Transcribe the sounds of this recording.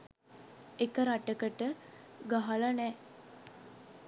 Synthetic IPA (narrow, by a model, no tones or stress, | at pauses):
ekəɾaʈəkəʈəɡaɦalanɛ